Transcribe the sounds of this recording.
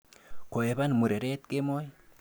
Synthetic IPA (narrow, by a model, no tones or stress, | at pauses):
koebanmuɾeɾet̪̚kemoj